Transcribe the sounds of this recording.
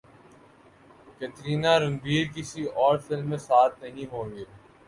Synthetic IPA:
ket̪ɾiːnaɾʊ̃mbiːɾkɪsiɔːɾfɪlmːẽsaːt̪nɐɦĩɦõːŋɡeː

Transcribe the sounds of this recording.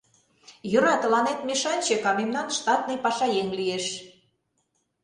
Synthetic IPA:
jŏɾɑt̪ə̆lɑnet̪meʃɑnʲt͡ɕekɑmemnɑnʃt̪ɑt̪̚nəjpɑʃɑjeŋlijeʃ

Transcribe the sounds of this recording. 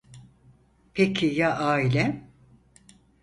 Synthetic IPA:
pʰecʰijaʔaːilʲɛ

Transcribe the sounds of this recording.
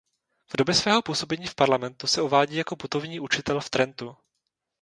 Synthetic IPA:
v̥do̞bjɛsvɛːɦo̞puːso̞bɛɲiːfpaɾlamɛnt̪usɛʔovaːɟiːjako̞put̪o̞vɲiːʔut͡ʃɪt̪ɛlft̪ɾɛnt̪u

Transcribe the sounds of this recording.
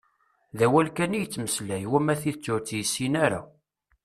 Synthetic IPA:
ðæwælkænijət͡sːməslæjwæmæθiðət͡sːʊɾt͡sːjəsːinaɾa̰

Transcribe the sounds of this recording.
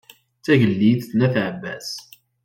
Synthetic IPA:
t͡sːæʝəlːiðθnæθʕəbæ̰s

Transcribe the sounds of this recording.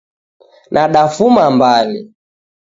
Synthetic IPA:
nʔaɗafumambali

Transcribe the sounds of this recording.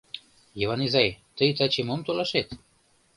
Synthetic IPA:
jiβɑnizɑjt̪əjt̪ɑt͡ɕemomt̪olɑʃet̪

